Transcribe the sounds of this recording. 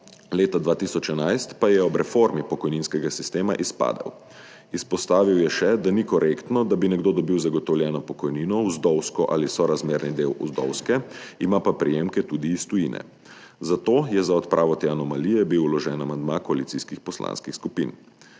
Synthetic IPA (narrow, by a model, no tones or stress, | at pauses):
leːt̪ad̪ʋaːt̪iːsɔt͡ʃɛnajst̪pajɛɔbɾɛfoɾmipɔkɔjninskɛɡasist̪eːmaʔispa̰ːd̪a̰w | ispɔst̪aːʋiwjɛʃɛd̪anikɔɾʔekt̪nɔd̪abinɛɡd̪oːd̪ɔbiwzaɡɔt̪ɔwljɛːnɔpɔkɔjniːnɔuzd̪ɔwskɔʔaːlisɔɾazmeːɾnid̪eːwʔuzd̪ɔ̰wskɛimapapɾijemkɛt̪uːd̪iːst̪ujḭnɛ̰ | zat̪oːjɛzaɔt̪pɾʔaːʋɔt̪ɛanɔmalijɛbiwlɔʒɛːnamand̪makɔalit̪siːskixpɔslã̰ːnskixskupḭːn